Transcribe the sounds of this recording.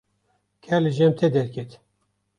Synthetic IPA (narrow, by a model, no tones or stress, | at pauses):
kʰɛɾlɨʒɛmt̪ʰɛd̪ɛɾkʲʰɛt̪